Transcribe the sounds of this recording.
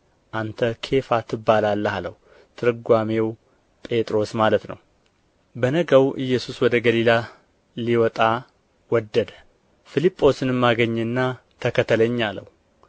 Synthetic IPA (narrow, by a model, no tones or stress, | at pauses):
ʔant̪ʰəkʰe̞fat̪ʰɨbːalalːəhaləh | t̪ʰɨɾɨɡʷame̞w | pʼe̞t̪ʼɾo̞smalət̪nə̰w | bənəɡəwʔɨjːɛsuswɔd̪əɡəlila | liwɔt̪ʼa | wɔd̪ːəd̪ | filipʼːo̞sɨnɨmːaɡəɲːnːa | t̪ʰəkʰət̪ʰːələɲːalə̰hu